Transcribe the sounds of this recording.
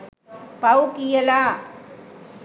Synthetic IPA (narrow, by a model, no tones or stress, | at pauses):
pɐwkijɐlaː